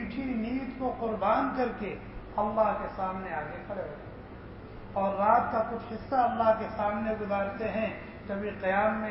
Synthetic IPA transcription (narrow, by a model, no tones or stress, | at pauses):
ʈʰiniːt̪koqʊɾbaːnkɐɾke | ɐlːaɦkesaːmneaːɡekʰɐɽeɦoe | ɔːɾːaːt̪̚kakʊt͡ʃʰɦɪsːaɐlːaɦkesaːmneɡʊzaːɾt̪eɦɛ̃ | k̪ɐbʱiqijaːmːẽ